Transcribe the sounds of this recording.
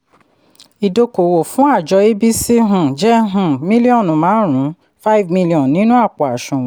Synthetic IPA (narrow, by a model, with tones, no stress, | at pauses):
i˨do˧ko˨wo˨fũ˦a˦˨d͡ʒɔ˧e˦bi˦si˦ɦũ˦˨d͡ʒɛ˦ɦũ˦˨mĩ˦li˦ɔ̃˦˨nũ˨˦mãː˨˦ɾ̃ũ˨˦ | fa˦i˦vmi˦li˧ɔ̃˨n˨nĩ˨˦nũ˦a˦˨k͡pɔ˨a˨ʃũ˨˦